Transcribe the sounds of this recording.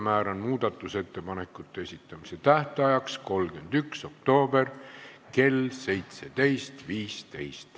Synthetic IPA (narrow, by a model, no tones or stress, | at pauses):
mæːɾɑnmuːd̪̥ɑt̪ːˑuse̞t̪ːe̞pɑne̞kːˑut̪ːˑeesit̪ːˑɑmise̞t̪æht̪eɑjɑksko̞lɡ̥end̪ykso̞kt̪o̞ːbe̞rke̞lse̞jt̪se̞t̪e̞jst̪viːst̪e̞̰jst̪